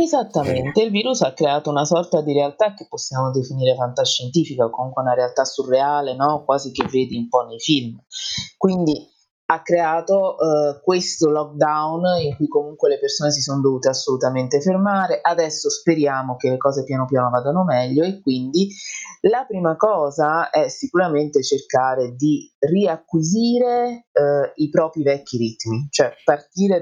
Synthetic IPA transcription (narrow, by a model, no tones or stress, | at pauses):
ezat̪ːament̪eilviːɾusakːɾeaːt̪ounasɔrt̪ad̪iɾealt̪ak̟ːepːosːjaːmod̪efiniːɾet̪ant̪aʃːent̪iːfikakomuŋkweunaɾealt̪asurːeaːlenɔkwaːzikevːeːd̪iumpɔnːejfilmkwind̪i | akːɾeaːt̪okwest̪olɔk̚d̪awniŋkujkomuŋkwelepersoːnes̬isonod̪ovuːt̪easːolut̪ament̪efermaːɾeʔad̪ɛsːospeɾjaːmokelːekɔːzepjaːnopjaːnovaːd̪anomɛʎːoekːwind̪ilapɾiːmakɔːzaɛsikuɾament̪et͡ʃerkaːɾed̪iriakːwiziːɾe | ipɾɔːpɾivɛkːiɾit̪mit͡ʃoɛpart̪iːɾe